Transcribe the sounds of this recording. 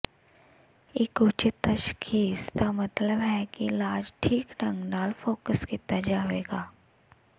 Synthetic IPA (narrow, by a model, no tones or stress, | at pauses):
ɪkʊt͡ʃɪt̪əʃkʰiːst̪amɐt̪ləbɦɛːkilaːd͡ʒʈʰiːkɖə̃ŋɡnaːlfoːkəskiːt̪ad͡ʒaːʋḛːɡaː